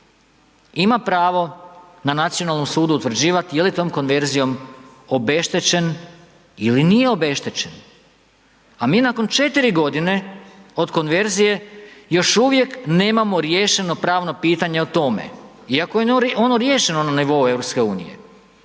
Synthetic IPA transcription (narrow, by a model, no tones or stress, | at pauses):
imapɾaːʋo̞nanat̪sijo̞nalno̞msuːd̪ut̪ʋr̩d͡ʑiːʋat̪ijelit̪o̞ːmko̞nʋe̞ɾzijo̞mo̞be̞ʃt̪e̞t͡ɕe̞n | ilinije̞o̞be̞ʃt̪e̞t͡ɕen | amiːnakont͡ʃe̞t̪iɾiɡo̞d̪ine̞o̞d̪ko̞nʋe̞ɾzije̞jo̞ʃuʋje̞kne̞ːmamo̞ɾje̞ːʃe̞no̞pɾaːʋno̞piːt̪aɲe̞ot̪o̞mḛ | iakojeo̞noɾjeːʃe̞no̞naniʋo̞ue̞ʋɾopske̞ṵːnḭje̞̰